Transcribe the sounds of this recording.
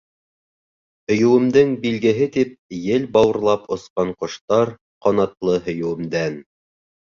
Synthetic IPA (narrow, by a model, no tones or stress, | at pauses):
hɵ̆jɵ̆wɘ̆md̪ɘŋbilɡɘ̆ɦɘt̪ip̚jɘlbɑwɤ̆ɾlˠɑpŏsqɑɴqŏʃt̪ɑɾ | qɑnɑt̪lˠɤɦɵ̆jɘ̆wɘ̆md̪æn